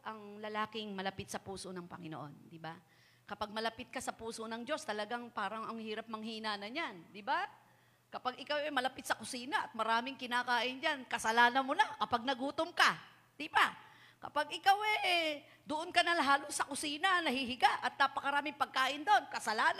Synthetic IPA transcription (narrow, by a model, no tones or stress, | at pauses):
ʔɐŋlɐlaːkɪŋmɐlɐpɪt̪̚sɐpuːsonɐŋpɐ̰ŋɪnoʔo̞nd̪ɪba | kɐpaɡ̚mɐlɐpɪt̪̚kɐsɐpuːsonɐŋd͡ʒo̞st̪ɐlɐɡaŋpaːɾɐŋɐŋhiːɾɐp̚mɐŋhiːnanɐɲand̪ɪba | kɐpaɡɪkawɛmɐlɐpɪt̪sɐkʊsiːnɐʔɐt̪̚mɐɾaːmɪŋkɪnakaːʔɪnd͡ʒankɐsɐlaːnɐmonakɐpaɡ̚nɐɡuːt̪omka | d̪̥ɪba | kɐ̰paɡʔɪkawɛʔɛ | d̪ʊʔonkɐnɐlɦaːlosːɐkʊsiːnɐnɐhihɪɡaʔɐt̪̚nɐpɐkɐɾaːmɪŋpɐɡ̚kaːʔɪnd̪oonkɐsɐlaːn